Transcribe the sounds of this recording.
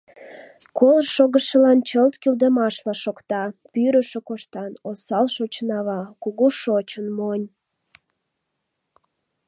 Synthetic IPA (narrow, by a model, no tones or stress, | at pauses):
kolrʃoɣəʃəlɑnt͡ɕəlt̪kyld̪əmɑʃlɑʃokt̪ɑpyɾəʃekoʃt̪ɑnosɑlʃot͡ɕnɑβɑkuɣuʃot͡ɕənmonʲ